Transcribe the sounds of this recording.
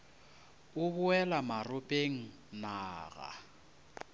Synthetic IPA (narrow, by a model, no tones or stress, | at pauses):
ʊβʊɛlamarʊpʼeŋ̩ | naːɣa̰